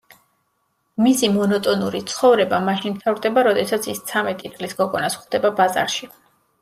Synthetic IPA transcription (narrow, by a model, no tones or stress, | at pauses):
misimɔnɔt̪ʼɔnuɾit̪sʰχɔvɾɛbamaʃinmt̪ʰavɾd̪ɛbaɾɔd̪ɛsat̪sʰist̪sʰamɛt̪ʼit̪sʼlisɡɔɡɔnasχd̪ɛbabaza̰ɾʃi